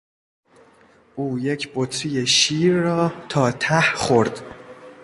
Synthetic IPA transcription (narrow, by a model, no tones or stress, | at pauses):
ʔuːjecʰbot̪ʰɾijeʃiːɾːɒːt̪ʰɒːt̪ʰæhχoɾd̪̥